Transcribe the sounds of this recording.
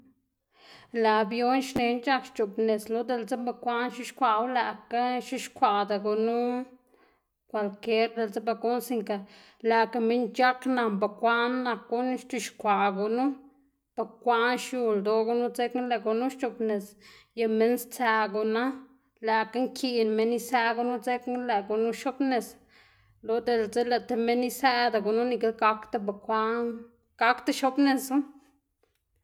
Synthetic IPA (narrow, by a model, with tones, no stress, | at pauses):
la˨bjo˦nʃne˧nt͡ʃa˦kʃt͡ʃo˨bne˨slo˦d̪e˧lt͡sa˦mba˧kʷa˦nʃi˦ʃkʷa˧wla˨ka˦ʃi˦ʃkʷa˨d̪a˨ɡu˧nu˦ | kʷa˧lke˦ɾd̪e˧lt͡sa˦ba˧ku˦nsi˧ŋka˨ | la˨ka˧mi˦nt͡ʃa˦kna˧mba˧˨kʷa˦nːa˧kːu˦n˦ʃt̪i˧ʃkʷa˨ɡu˨nu˦ | b̥a˨kʷa˦nʃju˧ld̪o˧ɡu˧nu˦t͡se˦kle˧ɡu˧nu˦ʃt͡ʃo˧bne˨sja˧me˧˦nst͡sæ˧ɡu˨na˦ | la˨ka˦ŋkʰi˧nme˧ni˦sæ˧˦ɡu˧nu˦t͡se˦kle˨ɡu˨nu˦ʃo˦bne˨s | lo˨d̪e˨lt͡se˦la˧t̪e˧me˦ni˦sæ˦d̪a˨ɡu˨nu˦ni˧ke˧˦lɡa˧kt̪a˦ba˨kʷa˦n | ɡ̥a˧˦kt̪a˦ʃo˦bne˨su˦